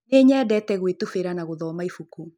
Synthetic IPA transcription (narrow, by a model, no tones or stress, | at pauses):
neːɲɛːdɛtɛɣwetufeɾanaɣoðɔːmaifuku